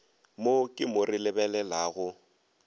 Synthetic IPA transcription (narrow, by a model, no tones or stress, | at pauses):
mokʼɪmʊrɪlɪbɛlɛlaɣʊ